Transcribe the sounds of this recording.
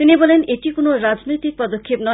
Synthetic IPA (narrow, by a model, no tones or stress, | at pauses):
t̪inibɔleneʈikonoɾad͡ʒnojt̪ik̚pɔd̪okʰːepnɔ